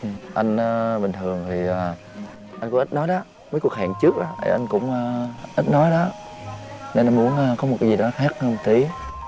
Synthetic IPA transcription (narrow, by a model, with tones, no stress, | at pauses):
ʔɨ˨˩ʔa˧jŋ̟ʔaː˨ɓï̟˨˩t̪ʰɨ˨˩əŋt̪ʰi˨˩ʔaː˨˩ | ʔa˧jŋkʊ˧˥ŋ͡mʔi˦˥t̚nɔ˨˦jɗɔ˨˦ | mə˨˦jku˨˩ək̚ɦa̰ː˧˨ŋt͡ɕɨ˦˥ək̚ʔaː˨˦ʔə̰˨˩ʔa˧jŋ̟kʊ̰˧˥ŋ͡mʔaː˧ʔi˦˥t̚nɔ˨˦jɗɔ˨˦ | ne˧nʔjmu˨˦ənʔaː˨˧kɔ˨˦mo˨˩t̚kaː˨˦jzi˨˩ɗɔ˨˦xaː˦˥k̚ə˧ŋ͡mt̪i˨˦